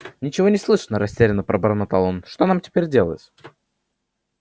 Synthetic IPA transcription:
nʲɪt͡ɕɪvo̞nʲɪslˠɨʂnəɾɐsʲtʲeɾʲɪnəpɾʔəbəɾnət̪alˠonʂt̪o̞namtʲɪ̥pʲeɾʲdʲelˠə̰jɪt̪ə

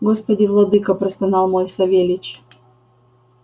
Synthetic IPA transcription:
ɡospɐdʲɪvlˠɐd̪ɨkɐpɾɪst̪ɐnɑlˠmojsɐvʲelʲɪt͡ɕ

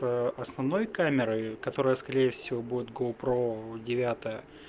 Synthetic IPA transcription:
əʔɐsnɐvno̞jkamʲɪɾəjkɐt̪o̞ɾəjəskɐɾʲejəfsʲɪvo̞budʲɪt̪ɡolˠpɾodʲɪvʲat̪əjə

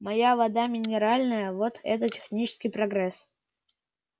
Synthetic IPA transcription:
mɐjavɐd̪amʲɪnʲɪɾalʲnəjəvot̪ɛ̰t̪ətʲɪ̥xnʲit͡ɕɪ̥skʲɪjpɾɐɡɾɛs

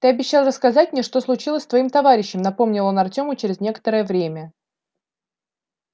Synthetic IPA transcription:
t̪ɨɐbʲɪɕːalˠrəskɐzatʲmnʲeʂt̪o̞slˠʊt͡ɕilˠəsʲt̪vɐimt̪ɐvaɾʲɪɕːɪmnɐpo̞mnʲɪlˠo̞nɐrtʲo̞mʊt͡ɕɪɾʲɪznʲe̞kə̥t̪əɾəjəvɾʲemʲə

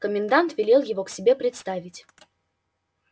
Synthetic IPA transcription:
kəmʲɪnd̪ant̪vʲɪlʲelˠjɪvo̞ksʲɪbʲe̞pɾʲɪt̪st̪avʲɪtʲ

